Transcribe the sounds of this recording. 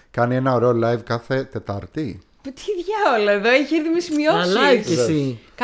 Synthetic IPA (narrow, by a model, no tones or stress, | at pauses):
kɐnienɐo̞ɾeolɐjvkɐθe̞t̪et̪ɐɾt̪i | put̪i̥ðʝɐolɐeðoeçeɾðimesimioisik